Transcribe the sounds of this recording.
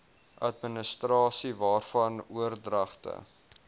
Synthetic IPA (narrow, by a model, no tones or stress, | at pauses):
ʔɐtmənəstrɑːsivɑːrfɐnuərdrɐχtə̰